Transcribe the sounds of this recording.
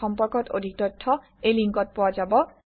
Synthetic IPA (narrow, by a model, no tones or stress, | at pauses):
ɔmpɔɾkɔt̪o̰d̪ʱik̚t̪ɔtʰːɔ | ejliŋkɔt̪̚pɔwad͡ʒabɔ